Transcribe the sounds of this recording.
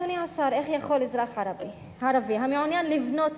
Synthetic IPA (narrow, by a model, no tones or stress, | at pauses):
uniʕasaɾʔeχjaχolizɾaχʕaɾ | ʕaɾaviɦameʕunjanlivnot̪